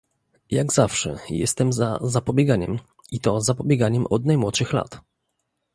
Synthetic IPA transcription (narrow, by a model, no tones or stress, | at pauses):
jaɡz̥afʂɛ̰jɛ̰st̪ɛmzazapɔbʲjɛɡaɲɛm | it̪ɔzapɔbʲjɛɡaɲɛmɔd̪najmwɔt̪ʂɘxla̰t̪